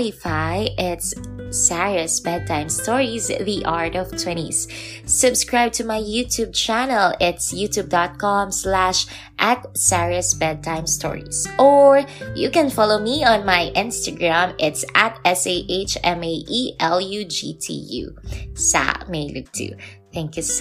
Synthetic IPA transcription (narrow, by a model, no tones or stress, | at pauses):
ɪfajʔɪt̪sːaɹəsbɛd̪̚t̪ʰãɪ̃mst̪ɔɹisðiʔaɹtɔv̥t̪ʰwɛ̃ñḭsː | ʊbskɹaɪb̚t̪ʊmajjut̪ʰuːb̚t͡ʃænɛlɪt̪sjut̪ub̚d̪ɔt̪̚kɔmslæʃ | ʔat̪̚saɹɨsbɛd̪̚t̪ʰãɪ̃mst̪ʰɔ̰ɹḭsʔɔɹjukɛ̃nfɑloʊmiɔ̃nmajʔɪ̃nst̪aɡɹãmɪt̪sæt̪ɛseɪʔeɪt͡ʃɛ̃meɪʔiʔɛlˠjud͡ʒḭt̪ʰḭjṵsa̰meɪlʊk̚t̪ʰṵ | θæ̃ŋkjʉs